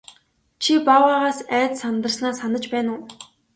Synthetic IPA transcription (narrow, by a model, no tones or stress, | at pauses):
t͡ɕʰipawaːʁaːsæːt͡ssant̪ə̆rsnaːsanə̆t͡ɕpæːnʊː